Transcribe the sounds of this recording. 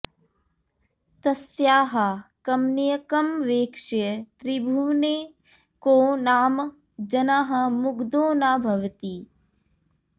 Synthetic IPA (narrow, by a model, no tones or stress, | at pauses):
t̪ɐsjaːɦɐkɐmnijɐkɐmʋeːkʂɐjɐt̪ɾibʱuːneː | koːnaːm | d͡ʒɐnaːɦɐmuɡd̪oːnaːbʱɐʋɐt̪i